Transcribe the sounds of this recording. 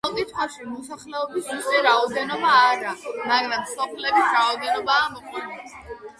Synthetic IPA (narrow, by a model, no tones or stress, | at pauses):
ɔlk̪ʼit̪ʰχwaʃimɔsaχlɛɔbisusʼɛɾaɔd̪ɛnɔbaːɾamaɡɾamsɔpʰlɛbisɾaɔd̪ɛnɔbaːmɔkʼɛnɛ